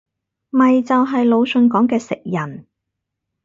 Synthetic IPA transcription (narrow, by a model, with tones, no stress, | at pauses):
mɐ˨jt͡sɐ˨wɦɐ˨jlo˨˧wsɵ˨˧nkɔː˨˥ŋkɛː˧sɪ˨k̚jɐ˨˩n